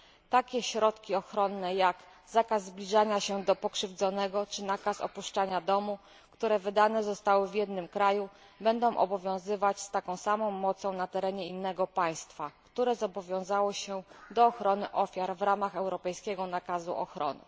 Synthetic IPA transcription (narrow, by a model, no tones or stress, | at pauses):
t̪akʲɛɕɾɔt̪kʲiɔxɾɔnːɛjak | z̥akazːblʲiʐaɲaɕɛd̪ɔpɔkʂɘvd̪zɔnɛɡɔt͡ʂɘnakasɔ̰puʂt͡ʂaɲad̪ɔmu | kt̪uɾɛvɘd̪anɛzɔst̪awɘvʲjɛd̪̚nɘmkɾaju | bɛnd̪ɔ̃w̃ʔɔ̰bɔvʲjɔ̃w̃zɘvat͡ɕst̪akɔ̃w̃samɔ̃w̃mɔt̪sɔ̃w̃nat̪ɛɾɛɲɛinːɛɡɔpaj̃st̪fakt̪uɾɛzɔbɔvʲjɔ̃w̃zawɔɕɛd̪ɔːxɾɔnɘʔɔfʲjaɾvɾamaxɛwɾɔpɛjskʲɛɡɔnakazṵʔɔ̰xɾɔ̰nɘ̰